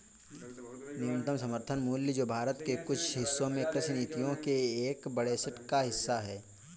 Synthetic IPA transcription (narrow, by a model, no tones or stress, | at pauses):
nɪʊnt̪əmsɐməɾt̪ʰənmuːljid͡ʒoːbʱaːɾət̪kekʊt͡ʃʰɦɪsːõmẽkɾɪsʰniːt̪ijõkeːkbəɽesɪʈkaɦɪsːaɦɛː